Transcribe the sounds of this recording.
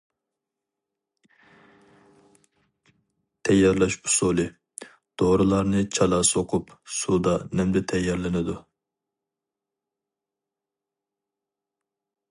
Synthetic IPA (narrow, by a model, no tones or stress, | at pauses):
t̪ʰɛjːɑɾlˠɑʃbu̥solˠɨ | d̪̥oɾɨlˠɑɾnɨt͡ʃʰɑlˠɑsoqʰupsud̪ɑnɛmd̪ɛt̪ʰɛjːɑɾlɪnɪd̪u